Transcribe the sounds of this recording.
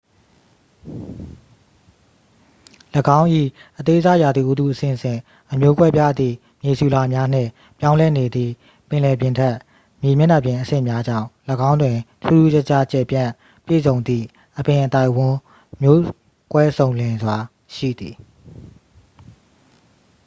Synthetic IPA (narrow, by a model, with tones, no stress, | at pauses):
ləɡã˦ʊ̃ʔḭ˦˨ʔət̪e˦za˦˨ja˨d̪ði˨ʔu˦t̪u˦˨ʔəsɪ̰̃˦˨sɪ̰̃˦˨ | ʔəmjo˦kwɛ˦pja̰˦˨d̪ðḭ˦˨ | mje˨sju˨la˨mja˦n̥ɪ̰̃˦˨ | pjã˦ʊ̃lɛ˦ne˨d̪ðḭ˦˨ | pɪ̃˨lɛ˨pjɪ̃˨ntʰɛ˦˨ʔ | mje˨mjɪ̃˦˨na˦˨pjɪ̃˨ʔəsɪ̰̃˦˨mja˦d͡ʑã̰˦˨ʊ̃ləɡã˦ʊ̃ndwɪ̃˨tʰṵ˦˨zu˦ɛ˦t͡ɕa˦t͡ɕɛ˨pjã˦˨ | pjḛ˦˨zõ˨ʊ̃nd̪ðḭ˦˨ | ʔəpɪ̃˨ʔət̪a˦˨ɪʔwʊ̃˨ | mjo˦ | kwɛ˦sõ˨ʊ̃lɪ̃˨nzwa˨ | ʃḭ˦˨d̪i˨